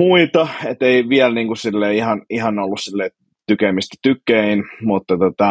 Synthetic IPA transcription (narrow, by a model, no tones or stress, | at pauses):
uit̪ɑet̪eiʋiɛlniːŋkussilːeiihɑnihɑnolːussilːei | t̪ykemist̪æ̥t̪ykːˑeinmut̪ːɑt̪ot̪ɑ